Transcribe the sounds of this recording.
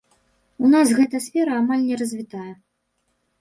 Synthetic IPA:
unasɣɛt̪ɐsʲfʲɛɾɐːmalʲnʲɛrɐzʲvʲit̪ajɛ

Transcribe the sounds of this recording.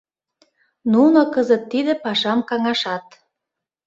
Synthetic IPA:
nunokɤzət̪ːid̪ĕpɑʃɑmkɑŋɑʃɑt̪̚

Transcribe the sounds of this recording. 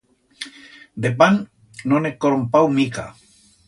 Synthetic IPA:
d̪ep̬an | nonekːoɾompawmika̰

